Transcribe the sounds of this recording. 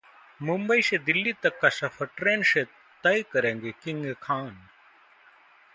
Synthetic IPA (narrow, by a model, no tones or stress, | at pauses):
mumbɐised̪ilːit̪ɐkːɐsɐfʰɐʈɾeːnʃe | t̪ɐikɐɾeŋɡekiŋɡekʰaːn